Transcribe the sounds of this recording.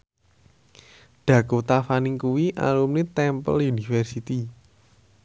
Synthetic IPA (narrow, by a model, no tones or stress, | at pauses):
ɖ̪̥ä̤kot̪afaniŋkuwiʔa̰lumnit̪ɛmpə̰ljunifɛrsit̪i